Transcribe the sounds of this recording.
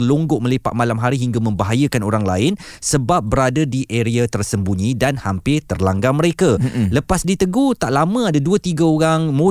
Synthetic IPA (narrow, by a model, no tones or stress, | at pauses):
loŋɡʊʔ̚mə̃lepa̰ʔ̪̚malamɦaɾiɦiŋɡamə̃mbaɦajəkanoɾaŋlaɪn | səbap̚bəɾadadiʔeɾeat̪ərsəmbuɲĩdanhampɪt̪ərlaŋɡamə̃ɾekaləpasdit̪əɡoht̪aʔlamə̃adaduət̪iɡaoɾaŋmo